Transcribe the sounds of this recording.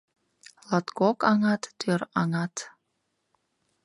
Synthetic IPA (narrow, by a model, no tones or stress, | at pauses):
lɑt̪kokɑŋɑt̪ːøɾɑŋɑt̪